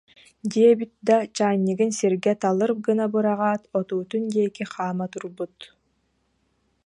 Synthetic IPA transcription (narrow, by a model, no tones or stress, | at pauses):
d̪iɛbit̪̚d̪at͡ɕaːɲʲːɯɡɯnsiɾɡɛt̪alˠɯɾp̚ɡɯnabɯɾaʁaːt̪ɔt̪uːt̪und̪iɛkiχaːmat̪uɾbut̪